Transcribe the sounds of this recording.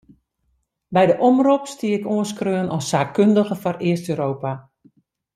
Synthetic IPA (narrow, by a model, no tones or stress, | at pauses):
bɛjdəʔomrupstiəɪkoənskrøːənʔɔsaːkkːøndəɣəfɔrɪəstøːɾoːpa